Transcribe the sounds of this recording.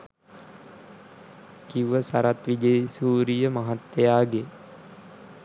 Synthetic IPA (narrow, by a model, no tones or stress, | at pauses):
kiuʋəsaɾat̪ʋid͡ʒəjsuːɾijəmaɦat̪ːejaːɡe